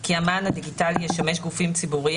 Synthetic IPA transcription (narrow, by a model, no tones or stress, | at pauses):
kiamanad̪iɡitalijeʃame̞ʃɡufimt͡sibuʁi